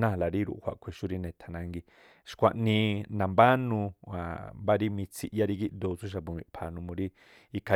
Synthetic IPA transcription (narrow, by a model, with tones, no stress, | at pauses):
nã˦˨la˨ɾi˦ɾṵ˨ʔhʷwa̰˨ʔkʷʰe˨ʃu˦ɾi˦nẽ˨t̪ʰa˨nã˧ŋɡi˧ | ʃkʷa˧˨ʔnĩ˧nã˨mba˦nũ˧a˨mba˦ɾi˦mĩ˧t͡sʰi˧ʔja˦ɾi˦˧ɡi˦ʔ̪d̪o˧t͡su˦ʃ̬a˧pu˨˧mḭ̃˧pʰa˨nũ˧mõ˧ɾi˦ | i˧kʰa˧